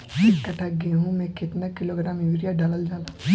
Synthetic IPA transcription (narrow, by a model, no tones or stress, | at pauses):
ekɐʈʰaɡeɦũmɛ̃kɪt̪nakɪloːɡɾaːmʋiɾijaɖɐləld͡ʒaːla